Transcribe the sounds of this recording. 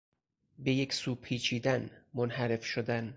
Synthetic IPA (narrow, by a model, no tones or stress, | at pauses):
be̞jekʰsuːpʰiːt͡ʃʰiːd̪ænmonhæɾe̞fʃod̪æn